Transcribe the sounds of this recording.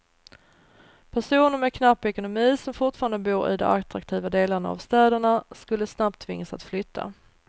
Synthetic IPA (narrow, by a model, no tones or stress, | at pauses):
pʰæʂuːnəɾmɛkʰnapːɛkʊnʊmiːsɔmfʊʈfɑːɾand̪əbuːɾɪ̰d̪ɔ̰mat̪ɾakt̪ʰiːvad̪eːlaɳaa̰vst̪ɛːd̪əɳaskɵlːəsnap̚t̪ʰːvɪŋːasat̪flʏt̪ʰːa̰